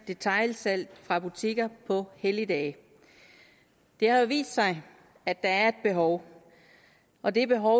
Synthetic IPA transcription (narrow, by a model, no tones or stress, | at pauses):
d̥e̝t͡sʰɑ̈ɪlsæl̰d̥fʁɑ̈b̥ut͡sʰiɡ̥ɐpʰɒ̽helid̥ɛː | d̥e̝hɑ̈joʋḭːsd̥sɑ̈ɪ | æ̥æ̈æɐe̝d̥̚b̥e̝ɦɒʊ | ʔɒ̽d̥e̝b̥e̝ɦɒʊ